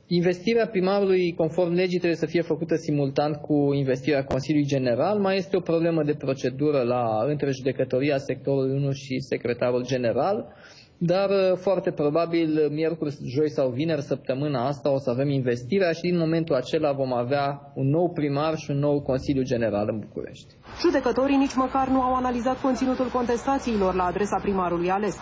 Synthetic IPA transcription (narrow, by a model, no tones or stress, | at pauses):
inve̞st̪iɾeapɾimaɾulujko̞nfo̞rmle̞d͡ʒit̪ɾeejesəfije̞fəkut̪əsimult̪ant̪kuinve̞st̪iɾeako̞nsiljuujd͡ʒe̞ne̞ɾalmaje̞st̪e̞o̞pɾo̞ble̞məd̪e̞pɾo̞t͡ʃe̞d̪uɾəlaɨnt̪ɾeʒud̪e̞kət̪o̞ɾiase̞k̚t̪o̞ɾulujunulʃise̞kɾe̞t̪aɾuld͡ʒe̞ne̞ɾal | d̪arfoart̪e̞pɾo̞babilmje̞rkurʲʒo̞jsawvine̞rsəp̚t̪əmɨnaast̪ao̞səave̞minve̞st̪iɾeaʃid̪inmo̞me̞nt̪ulat͡ʃe̞lavo̞maveaunːo̞wpɾimarʃiunːo̞wko̞nsiljud͡ʒe̞ne̞ɾa̰lɨnbukṵɾe̞̰ʃt̪ʲ | ʒ̥ud̪e̞kət̪o̞ɾinit͡ʃʲməkarnuawanalizat̪̚ko̞nt̪sinut̪ulko̞nt̪e̞st̪at̪siːlo̞rlaːd̪ɾe̞sapɾimaɾulujale̞s